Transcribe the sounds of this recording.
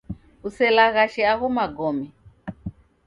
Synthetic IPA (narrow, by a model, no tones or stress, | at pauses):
usɛlaɣaʃɛaɣumaɡɔmɛ